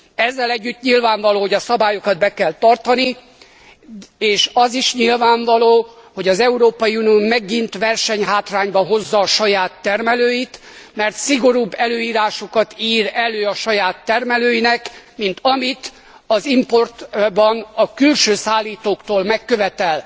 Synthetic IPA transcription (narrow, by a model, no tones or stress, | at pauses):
ɛzːɛlɛɟːyt̪ɲilvaːɱvɒloːhoɟɒsɒbaːjo̞kɒd̪̚bɛkɛlt̪ɒrt̪ɒni | eːʃɒziʃɲilvaːɱvɒloːho̞ɟɒzɛuɾoːpɒjiunijoːmɛɡint̪ʋɛrʃɛɲɦaːt̪raːɲbɒɦo̞zːɒːʃɒjaːt̪ːɛrmɛløːjit̪ | mɛrt̪siɡo̞ɾuːbːɛløːiːɾaːʃo̞kɒt̪iːɾɛløːɒʃɒjaːt̪ːɛrmɛløːjinɛkmint̪ɒmit̪ | ɒzimpo̞rt̪bɒnɒkylʃøːsaːlːiːt̪oːkt̪oːlmɛkːøvɛt̪ɛl